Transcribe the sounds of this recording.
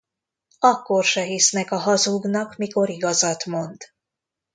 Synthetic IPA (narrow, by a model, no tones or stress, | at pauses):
ɒkːo̞rʃɛɦisnɛkɒɦɒzuɡnɒkmiko̞ɾiɡɒzɒt̪mo̞nd̪̥